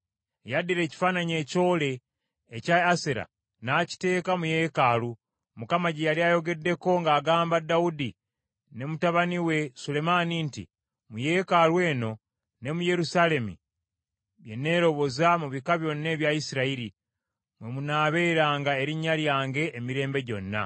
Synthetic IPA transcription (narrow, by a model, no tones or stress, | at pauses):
jadiɾe̞ːci̥faːnaɲe̞ːco̞ːle̞ː | caaseɾa̰ | naːci̥te̞ːkamuje̞ːkalu | mukamaɟejaliajo̞ɡe̞dːe̞ko̞ŋɡaːɡaːmbadawudi | ne̞mutaβaniwe̞sule̞manintḭ | muje̞kalwe̞ːno̞ | ne̞muje̞ɾusale̞mḭ | βje̞nːe̞ːɾo̞βo̞zamuβikaβjo̞nːe̞ːβjajisiɾaiɾi | mwe̞munaːβe̞ːɾaːŋɡae̞ɾiɲːaljaːŋɡe̞ʔːmiɾe̞ːmbe̞ɟo̞nːa̰